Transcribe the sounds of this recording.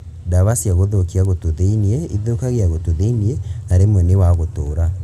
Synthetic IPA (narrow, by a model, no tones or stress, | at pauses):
daβasiaɣoðokiaɣotoðeiniɛiðokaɣeaɣotoðeinienaɾemwɛnewaɣotoːɾa